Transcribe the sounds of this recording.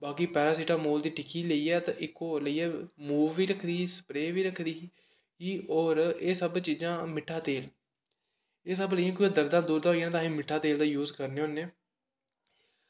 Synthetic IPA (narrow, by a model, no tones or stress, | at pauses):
baːkiːpɛːɾaːsiːʈãːmoːld̪iːʈɪkiːləiːɛːt̪ãʔɪkːoːləiːɛːmuːʋːiːɾəkʰd̪iːsə̥pɾeːʋiːɾəkʰd̪iː | ɦiːoːɾeːsəbt͡ʃiːd͡ʒãːmɪʈʰːaːt̪eːl | eːs̬əbləiːãːk̬uːãːd̪əɾd̪ãːd̪uːɾd̪ãːoːijaːnːt̪ãːɦĩːmɪʈʰːaːt̪eːld̪aːjuːzkəɾneːɦoːnːeː